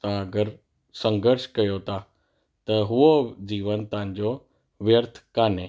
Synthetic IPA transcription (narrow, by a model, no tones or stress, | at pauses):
t̪ãɐɡəɾ | sɐ̃ŋɡəɾʃkɐjot̪ʰa | t̪ɐɦuod͡ʑiːʋənt̪ɐɦɪ̃ɲd͡ʑo | ʋjəɾt̪ʰkaːneː